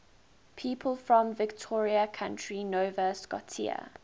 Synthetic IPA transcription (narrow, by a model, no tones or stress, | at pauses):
pʰiːˑpʰəlˠfɹə̃mvɪktʰɔːɹiəkʰãntɹinovəskɔ̰tʰḭə̰